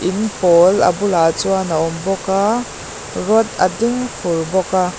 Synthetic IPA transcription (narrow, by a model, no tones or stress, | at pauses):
ʔɪnpoːlɐ̰bʊlaːt͡suanaʔɔmbɔkaː | ruət̪̚a̰dɪŋfʰʊrbɔka